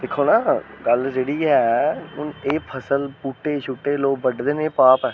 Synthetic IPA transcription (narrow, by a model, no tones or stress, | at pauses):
d̪ekʰːoːnaːɡəld͡ʒeːɽiːɦɛːɦʊneːpʰəsəlpuːʈːeːt͡ʃʰʊʈːeːloːk̚bəɖd̪eːneːpaːpɛː